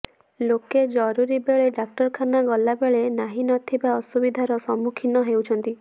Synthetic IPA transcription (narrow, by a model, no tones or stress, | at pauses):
loked͡ʒɔɾuɾibeɭeɖak̚ʈɔɾkʰanaɡɔlabeɭenaɦinɔt̪ʰibaɔsubid̪ʱaɾɔsɔmukʰinɔɦewt͡ʃʰɔnt̪i